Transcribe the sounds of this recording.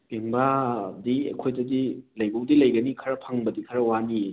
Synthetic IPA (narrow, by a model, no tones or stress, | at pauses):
ɡ̥eŋbadiɐ̰kʰojdɐdilɐjbowdilɐjɡɐnikʰɐɾɐpʰaŋbɐdikʰɐɾɐwani